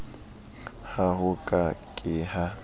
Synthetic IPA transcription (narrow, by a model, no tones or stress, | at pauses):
haɦʊkʼakʼɪha